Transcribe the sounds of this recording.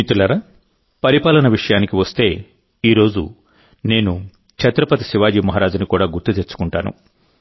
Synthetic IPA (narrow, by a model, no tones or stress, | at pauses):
it̪ulɐɾɐ | pɐɾipaːlɐnɐʋiʂɐjaːnikiʋɐst̪e̞ː | iːɾo̞ːd͡ʒṵ | ne̞ːnu | t͡ʃɐt̪ɾɐpɐt̪ɐsiʋaːd͡ʒiːmɐɦɐɾaːd͡ʒunikuːɽaːɡuɾt̪ut̪eɾt͡ʃːu̥kuɳʈa̰ːnṵ